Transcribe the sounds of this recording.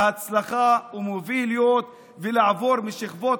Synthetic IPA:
at͡slaχaumoviljot̪ | velaʕavo̞ɾmiʃiχvot̪

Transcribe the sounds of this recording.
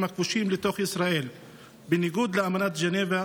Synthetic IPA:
makvuʃimlet̪o̞χisɾae̞l | beniɡud̪leamanat̪d͡ʒeneva

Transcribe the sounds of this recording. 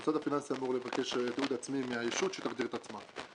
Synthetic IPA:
t͡sad̪afinansamuʁlevaʁkeʃd̪uːd̪at͡smimɪajiʃut̪ʃɛ̥t̪aχd̪iʁt̪at͡sman

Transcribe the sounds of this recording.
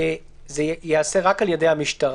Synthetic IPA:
zejease̞ʁakaljedejhamiʃtaʁ

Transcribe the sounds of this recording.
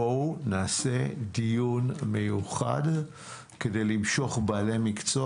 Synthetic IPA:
onaːsedijunmejuχa̰d | kede̞jlimʃo̞χbaːle̞mikt͡so

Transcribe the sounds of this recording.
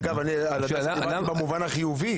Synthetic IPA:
ɡavani | alaa | ilabamuvanaχijuvi

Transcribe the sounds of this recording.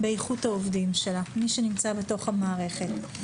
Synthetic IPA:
bejχuthaovdimʃe̞lamiʃenimt͡sabe̞to̞χhamaːʁe̞χet

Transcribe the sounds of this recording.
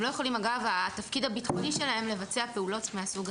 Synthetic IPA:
lo̞jeχo̞limaɡavat̪afkid̪abit̪χo̞niʃe̞lae̞mle̞vat͡seape̞ulo̞tmeasuɡ

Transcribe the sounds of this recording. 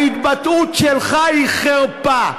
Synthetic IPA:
it̪bat̪ut̪ʃelχaiχeʁpa

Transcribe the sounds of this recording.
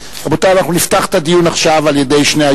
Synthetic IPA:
abot̪aanaχnuniftaχt̪adijunaχʃavalje̞de̞jʃnea

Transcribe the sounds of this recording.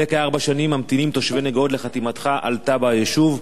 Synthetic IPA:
ekaaʁbaʃanimːamt̪inimt̪o̞ʃveneɡo̞d̪leχat̪imat̪χaʔa̰lt̪abajeʃuv

